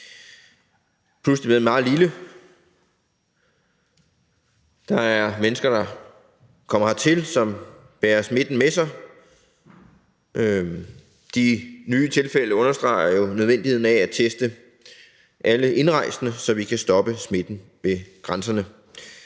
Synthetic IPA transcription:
pʰlusd̥eb̥imɑ̈ːð̩ˠlilə | d̥ɑ̈æɐmenəsɡ̥ɐd̥ɑ̈ | kʰɒ̽m̰ɐhɑt͡sʰe̝lsɒ̽mb̥ɛːɐsme̝d̥n̩mesɑ̈ɪ | d̥inyːt͡sʰe̝lfel̰əɔ̽nɐsd̥ʁɑ̈ɪɐjo̝nøð̞ˠen̰dihe̝n̩ææt͡sʰesd̥ə | ʔæləʔe̝nʁɑ̈ɪ̰snəsɒ̽ʋikʰæsd̥ɒ̽b̥əsme̝d̥n̩ʋeɡ̥ʁansɐnə

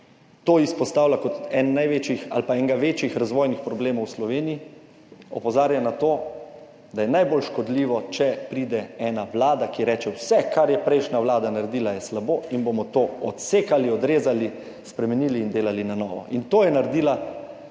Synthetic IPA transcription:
t̪oːispɔst̪aːwlakɔt̪ɛnːajʋeːt͡ʃjixa̰lpaɛŋɡaʋet͡ʃjixɾazʋɔːjnixpɾɔbleːmɔwslɔʋeːnii | ɔ̰pɔzaːɾjanat̪oː | d̪ajɛnajbolʃkɔd̪liːʋɔt͡ʃɛpɾiːd̪ɛɛːnaʋlaːd̪akiɛɾɛːt͡ʃɛwsɛkaɾjɛpɾɛɪjʃnaʋlaːd̪anaɾed̪iːlajɛslaboːinbomɔt̪oːɔt̪seːkaliɔd̪ɾeːzali | spɾɛmɛniːliːnd̪eːlalinanɔːʋɔ̰ʔint̪oːjɛnaɾɛd̪iːla

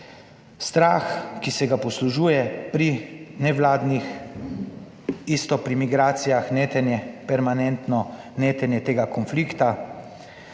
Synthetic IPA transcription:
st̪ɾaːxkisɛɡapɔsluʒuːjɛpɾinɛʋlaːd̪nix | ist̪ɔpɾimiɡɾaːt̪sijaxnet̪ɛnjɛpɛɾmanɛnt̪nɔ | neːt̪ɛnjɛt̪eːɡakɔnfliːkt̪a

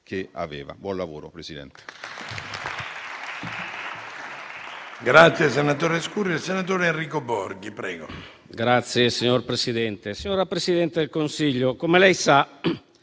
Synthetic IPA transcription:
kea̰veːva̰bwɔnlavo̰ːɾopɾesid̪ɛ̰nt̪e̥ | ɡɾat̪sːjes̬enat̪oːɾeskuɾielsenat̪̬oːɾeenriːkobɔɾɡipɾɛ̰ːɡo̰ | ɡɾat̪sːjesiɲorpɾesid̪ɛnt̪esiɲoːɾapɾesid̪ɛnt̪ed̪elkonsiʎːokomelɛjsa

